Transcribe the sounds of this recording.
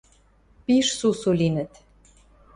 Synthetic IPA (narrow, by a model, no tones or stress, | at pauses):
piʃsusulinɘ̆t̪